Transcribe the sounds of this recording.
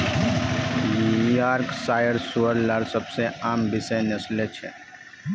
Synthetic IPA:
jujaːɾksaːjəɾsuəɾlaɾsɐbseaːmbɪsənɐslet͡ʃʰɛ̰

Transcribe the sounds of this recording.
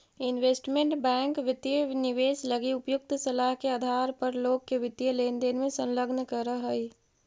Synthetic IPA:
ɪnʋeːsʈmẽɳʈbɛ̃ːŋkʋɪt̪jənɪʋeːsləɡiʊpjʊk̚t̪səlaɦkead̪ʱaːɾpəɾloːɡ̚keʋɪt̪jəleːnd̪eːnmẽsə̃nləɡnkəɾəɦəi

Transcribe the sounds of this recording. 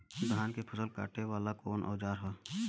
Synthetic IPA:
d̪ɦaːnkepʰəsəlka̰ːʈʰeʋaːlakoːnʔɔ̰ːd͡ʒaːɾɦo

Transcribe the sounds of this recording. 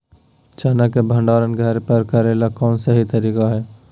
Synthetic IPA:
t͡ʃaːnakebʱə̃ɳɖaːɾənɡʱəɾpəɾkɐɾeːlakɔːnsaɦit̪ɐɾiːkaɦɛː

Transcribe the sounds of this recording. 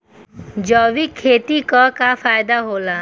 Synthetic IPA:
d͡ʒɔːʋikʰːeːt̪ikɔkafaːjd̪aɦoːlaː

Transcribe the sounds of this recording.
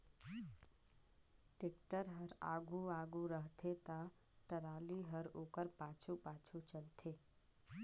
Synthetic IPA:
ʈɪkʈəɾɦəɾa̰ːɡuaːɡuɾəɦt̪ʰet̪a | ʈəɾaːliɦəɾoːkəɾpaːt͡ʃʰupaːt͡ʃʰut͡ʃəlt̪ʰeː

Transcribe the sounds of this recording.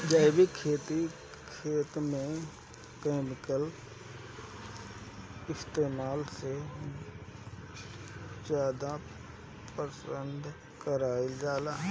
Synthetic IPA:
d͡ʒaɪbikʰːeːt̪i | kʰeːt̪mẽ | keːmɪkəl | ɪst̪eːmaːlse | d͡ʒaːd̪a | pəsə̃nd̪ʱ | kəɾaːɪld͡ʒaːlaɦ

